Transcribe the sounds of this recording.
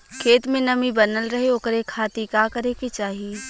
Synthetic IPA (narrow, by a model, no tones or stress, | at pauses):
kʰeːt̪mẽnɐmibɐnəlɾɐɦeoːkɾekʰaːt̪ikaːkɐɾeket͡ʃaːɦie